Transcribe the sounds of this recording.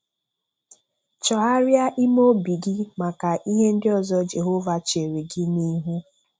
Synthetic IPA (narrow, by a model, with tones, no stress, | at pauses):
t͡ʃɔ˨ɦa˦ɾja˦ʔi˦mo˦bi˨ɡi˦ma˨ka˨ʔi˦ɦe˦n̩˦dɪ˦ɔ˨zɔ˦d͡ʒe˨ɦo˦va˨t͡ʃe˨ɾe˨ɡɪ˦ni˦ɦu˦